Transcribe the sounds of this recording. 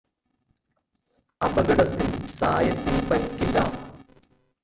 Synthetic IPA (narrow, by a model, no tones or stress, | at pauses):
ɐbɐɣɐɽɐt̪ːilsa̰ːjɐt̪ːilpɐɾkːilɐ̰ː